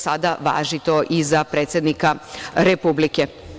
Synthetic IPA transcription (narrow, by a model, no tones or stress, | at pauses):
sad̪aʋa̰ːʒit̪o̞ʔizapɾeːt̪sje̞d̪nikaɾepublike